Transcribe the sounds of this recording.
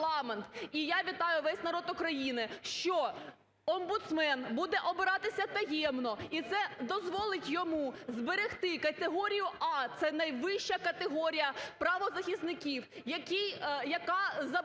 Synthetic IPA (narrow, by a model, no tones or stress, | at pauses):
ɑment̪ijaʋʲit̪ɑjʊʋɛsʲnɐɾɔt̪ʊkɾɐjinɪʃt͡ʃɔ | ɔmbʊt̪smɛnbud̪ɛʔɔbɪɾɑt̪ɪsʲɐt̪ɐjɛmnɔit̪sɛd̪ɔzʋɔlˠɪtʲjɔmuzbeɾɪxt̪ɪkɐt̪eɦɔɾʲijʊɑt̪sɛnɐjʋɪʃt͡ʃɐkɐt̪eɦɔɾʲijɐpɾɐʋɔzɐxʲist̪nɪkʲiwjɐkʲijjɐkɑzɐ